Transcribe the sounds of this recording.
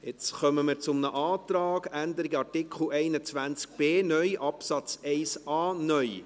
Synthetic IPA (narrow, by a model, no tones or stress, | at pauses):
jɪt͡sχœməmɪɾt͡sʊmnəʔɑːt̪ɾɑːɡænd̪əɾiɡəɑrtɪkʰχl̩ɛɪnət͡sʋænt͡sk̚b̥eːnœjʔɑpsɑt͡sɛɪsɑːnœʏ